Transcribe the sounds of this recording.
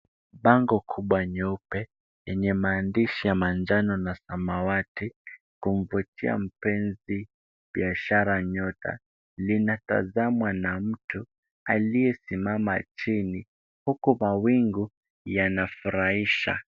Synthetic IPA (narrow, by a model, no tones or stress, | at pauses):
ɓaŋɡɔkʰuɓwaɲɔpɛ | jɛɲɛmaːndiʃijamand͡ʒanɔnasamawati | kum̩vutʰia̰m̩pɛnzi | ɓiaʃaɾaɲɔtʰa̰ | linata̰zamwanam̩tu | alijɛsimama̰t͡ʃini | hukumawiŋɡu | janafuɾaiʃa̰